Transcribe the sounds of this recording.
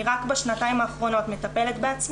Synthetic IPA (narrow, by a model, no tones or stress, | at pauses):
ʁakbaʃnat̪aimaːχʁo̞no̞t̪me̞t̪ape̞let̪beat͡s